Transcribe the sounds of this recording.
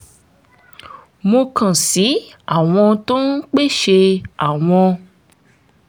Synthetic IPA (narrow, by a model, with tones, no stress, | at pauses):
mo˧kã˨si˨˦ | a˦˨w̃ɔ̃˧to˦n̩˦k͡pe˦ʃe˧a˨w̃ɔ̃˧